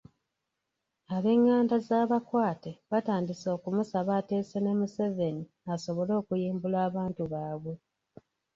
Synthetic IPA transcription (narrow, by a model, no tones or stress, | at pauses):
aβe̞ŋːaːndazaːβakwaːteβataːndiso̞ːkumusaβate̞ːsene̞muse̞ve̞ni | aso̞βo̞lo̞ːkujiːmbulaːβaːntuβaːβwe̞